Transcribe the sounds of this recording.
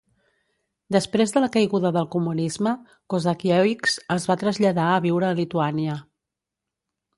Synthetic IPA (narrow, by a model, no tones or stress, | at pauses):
d̪əspɾezðələkəjɣuðəðəlˠkumunizmə | kozəkiɛiksəzβat̪ɾəzʎəðaəβiwɾəːlit̪uaniə